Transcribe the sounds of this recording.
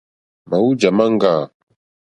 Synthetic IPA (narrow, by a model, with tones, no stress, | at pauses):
ma˨wu˦d͡ʒa˨ma˦ŋ˦ɡa˦˨